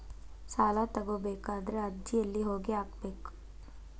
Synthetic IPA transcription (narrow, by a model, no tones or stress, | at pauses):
saːlat̪ɐɡobeːkaːd̪ɾead̪d͡ʒiɐlːiɦoːɡeaːkbeːk